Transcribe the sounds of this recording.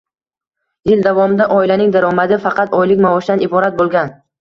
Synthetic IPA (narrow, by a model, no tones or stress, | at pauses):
jɪld̪avɒmɪd̪aʔɒɪlanɪŋd̪aɾɒmad̪ɪfɑqʰɑt̪ɒjlɪkʲmavɒʃd̪anɪbɒɾat̪̚bolˠɡʲan